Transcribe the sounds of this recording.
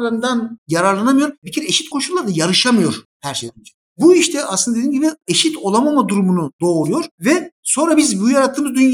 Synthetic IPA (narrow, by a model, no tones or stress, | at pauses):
ɾand̪anjaɾaɾlˠanamɯjo̞ɾbicʰiɾɛeʃit̪kʰoʃulːˠaɾd̪ajaɾɯʃamɯjo̞ɾ | hæɾʃejd̪ɾnd͡ʒe | buiʃt̪ʰɛʔa̰sɯnd̪ad̪einɟibieʃit̪ʰo̞lˠamamad̪uɾumunud̪o̞ːɾujo̞ɾvɛso̞nɾabizbujaɾat̪ʰːɯːmɯzd̪yn